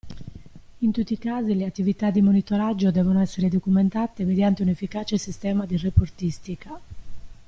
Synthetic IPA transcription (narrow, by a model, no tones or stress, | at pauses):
int̪ut̪ːikaːzileat̪ːivit̪ad̪ːimonit̪ɔɾad͡ʒːod̪ɛːvonoɛsːeɾed̪okument̪aːt̪emed̪jant̪eunefːikaːt͡ʃesist̪ɛːmad̪irepoɾt̪ist̪ika